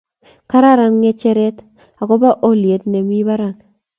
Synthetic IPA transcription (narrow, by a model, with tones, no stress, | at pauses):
ka˦ɾa˦ɾa˨˦ŋːɛ˦t͡ʃɛ˦ɾɛ˦t | a˨kɔ˦ba˦ʔo˦lje˨tne˨mi˦ba˦ɾa˨ŋ